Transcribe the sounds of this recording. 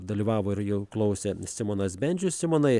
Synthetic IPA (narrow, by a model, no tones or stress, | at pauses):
d̪ɐlʲiːʋɑːʋoːɪɾjɛʊklˠɐʊsʲɛsʲɪmoːnɐsbʲɛnʲd͡ʒʲʊsʲɪmoːnɐɪ